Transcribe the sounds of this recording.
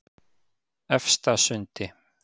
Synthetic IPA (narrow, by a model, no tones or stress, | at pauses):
ɛfst̪asʏnt̪ɪ